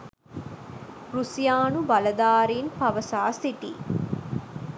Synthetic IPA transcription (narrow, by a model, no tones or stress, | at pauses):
ɾusijaːnubɐlɐd̪aːɾiːnpɐʋɐsaːsiʈḭː